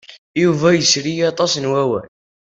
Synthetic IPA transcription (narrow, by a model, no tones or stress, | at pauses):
juvæjəsɾijɑt̪ˤɑsnwæwæ̰n